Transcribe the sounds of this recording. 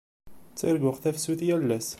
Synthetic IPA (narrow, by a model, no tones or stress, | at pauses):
t͡sːiɾɡʊqθæfsuθjælːæs